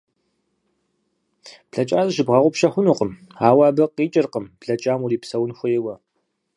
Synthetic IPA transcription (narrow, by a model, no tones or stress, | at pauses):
pɬɐt͡ʃʼaːzɨʃɨbʁɐʁʷʊpʃɐxʷʊnuːqəmaːwɑːbɐqiːt͡ʃʼɪrqəmpɬɐt͡ʃʼaːmuɾiːpsɐwnxʷʊjɪwɐ